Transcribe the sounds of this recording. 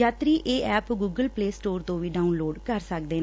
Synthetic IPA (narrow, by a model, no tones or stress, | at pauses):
aːt̪ɾiːʔeːʔɛːpɡuːɡəlpleːsʈoːɾt̪õːʋiːɖaːuːnloːɖkəɾsək̚d̪eːn